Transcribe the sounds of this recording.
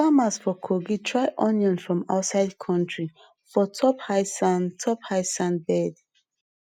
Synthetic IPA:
famasfɔkʰoɡitʰɹaɪʔɔnjɔ̃nfɹɔ̃ma̰ʊtsaɪdkʰɔ̃ntɹi | fɔtʰɔphaɪsantʰɔphaɪsãnbɛd

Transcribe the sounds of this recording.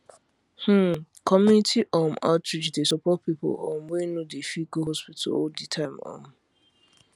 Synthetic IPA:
h̩ | kʰɔmjunitʰiʔɔmatɹid͡ʒdesɔpɔt̚pipo̰ɔ̰mwenodefiɡoɦɔspitʰa̰loditʰãɪmɔ̰m

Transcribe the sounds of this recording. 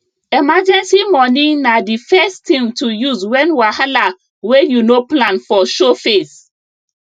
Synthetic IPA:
ɛmad͡ʒɛ̃nsimɔninadifɛstĩmtʰujuzwɛ̃nwahala | wejunoplãnfɔʃofes

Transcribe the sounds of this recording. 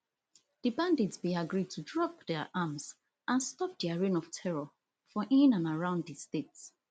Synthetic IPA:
ð̥ibãnditsbiaɡɹid̚tʰudɹɔp̚dɛʔamz | ʔãnstɔp̚diaɹĩnɔv̥tʰɛɹɔ | fɔʔĩnãnaɹãʊ̃ndðistets

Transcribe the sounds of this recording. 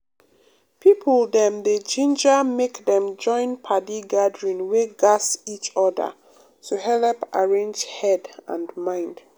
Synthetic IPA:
pʰipʰəldɛ̃mded͡ʒĩnd͡ʒamekdɛ̃md͡ʒɔ̃ɪ̃npʰadiɡadɹĩnweɡasit͡ʃɔdə̰ | tuhɛlpaɹẽnd͡ʒhɛdã̰ndmãɪ̃nd̥

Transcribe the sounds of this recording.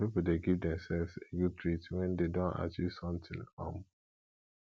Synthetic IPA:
pipuldeɡivdɛ̃msɛlvseɡud̚tʰɹitwɛ̃ndedõna̰t͡ʃisɔ̃mtʰĩnɔ̰̃m

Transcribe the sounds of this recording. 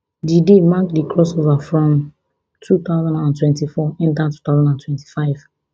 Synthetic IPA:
didemakdikʰɹɔsovafɹɔ̃m | tʰut̪aʊzãnãntʰwɛ̃ntifɔɛ̃ntatu̥t̪aʊzãndãntʰwɛ̃nti̥faɪv̥

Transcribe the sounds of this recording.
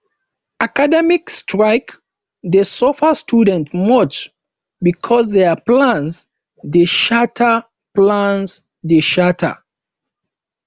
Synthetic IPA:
akadɛmikstʰɹaɪk | dəsɔfəstʰudɛ̃ntmɔt͡ʃ | bikʰɔs̬ðɛaplãns | deʃatʰə | plãns | deʃatʰə̰

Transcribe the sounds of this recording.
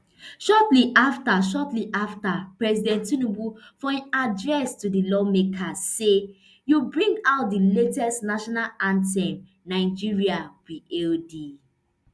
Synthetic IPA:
ʃɔtliʔaftaʃɔtliʔaftapɹɛsidɛ̃ntunubufɔĩnadɹɛstudilɔmekʰase | jubɹĩŋɡaʊt̚diletɛstnaʃɔnalãntɛ̃m | naɪd͡ʒiɹiawiʔeldi

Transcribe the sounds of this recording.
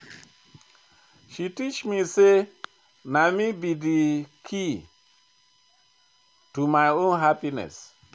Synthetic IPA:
ʃitit͡ʃmise | namibidikʰi | tumajõnɦapinɛ̰s

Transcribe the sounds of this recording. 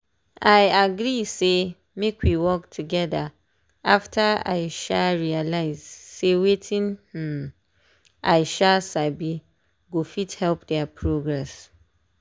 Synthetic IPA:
aɪaɡɾise | mekʰwiwɔktʰuɡɛda | aftʰaa̰ɪʃaɹialaɪz̥sewetʰĩnh̩ | aɪʃasabi | ɡofithɛlpdɛapʰɹoɡɹɛs

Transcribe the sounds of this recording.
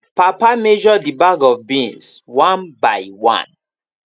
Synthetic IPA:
papamed͡ʒɔdibaɡɔvbĩnswãnbajwã̰n

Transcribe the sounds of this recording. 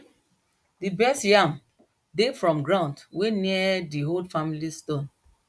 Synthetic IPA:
dibɛstjãm | defɹɔ̃mɡɹãʊ̃ndweniədiɦodfamilistõn

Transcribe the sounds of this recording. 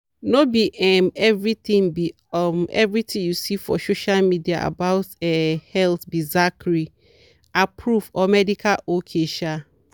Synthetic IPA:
nobiʔɛmɛvɹit̪ĩŋbi | ɔmɛ̰vɹit̪ʰĩjusifɔ̰soʃalmidia̰ʔa̰baʊtɛhɛltbizakɹi | apʰɹufɔmɛdikʰalokʰeʃa

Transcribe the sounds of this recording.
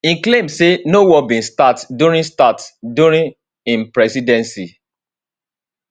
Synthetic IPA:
ĩklẽmsenowɔbĩnstatduɹĩnstatduɹĩn | ĩnpɹɛsidɛ̃nsi

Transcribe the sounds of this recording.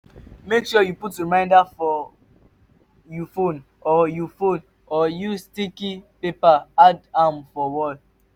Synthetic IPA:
mekʃɔjuputɹimãɪ̃ndafɔ | jufõn | ɔjufõn | ɔjustikipepaadamfɔwɔl

